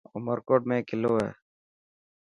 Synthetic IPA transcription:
ʊ̰məɾkoːʈmẽːkɪloːɦɛ̰ː

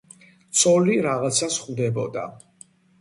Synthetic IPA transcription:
t̪sʼɔliɾaʁat̪sʰasχvd̪ɛbɔd̪a̰

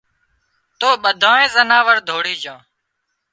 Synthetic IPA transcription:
t̪oːɓəd̪ʱãːẽːzənaːʋəɾd̪ʱoːɽiːd͡ʒõː

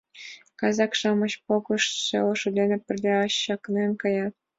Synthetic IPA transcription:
kɑzɑkʂɑmɤ̆ɕpokɤ̆ʂɕelɤ̆ʂŭd̪ʲenʲɘ̆pʲɘ̆rʲlʲeɑɕːɑknenʲkɑjɑt̪

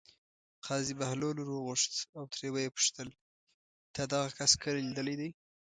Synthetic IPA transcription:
qʰɑzibahloluɾoɣʊʂt̪awt̪ɾewajepʊ̥ʃt̪əl | t̪ad̪aɣakaskʰəllid̪əlajd̪aj

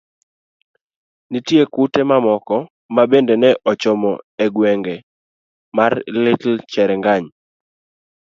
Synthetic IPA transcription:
nitjekutemamɔkɔ | mabendenɛʔɔt͡ʃɔmɔeɡwɛŋɡɛ | marlɪtl̩t͡ʃɛɾɛŋɡaɲ

